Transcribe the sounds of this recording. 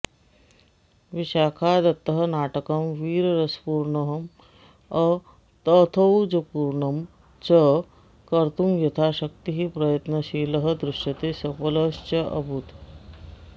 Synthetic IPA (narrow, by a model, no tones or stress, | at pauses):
ʋiʃaːkʰaːd̪ɐt̪ːɐɦɐnaːʈɐkɐmʋiːɾɐɾɐspuːɾɳɐɦɐm | ɐ | t̪ɐt̪ʰɐwd͡ʒɐpuːɾɳɐm | t͡ʃɐ | kɐɾt̪umjɐt̪ʰaːʃɐk̚t̪iɦipɾɐjɐt̪nɐʃiːlɐɦɐ̆d̪ɾuʂɐt̪eːsɐpɐlɐst͡ʃɐʔɐ̰bʱut̪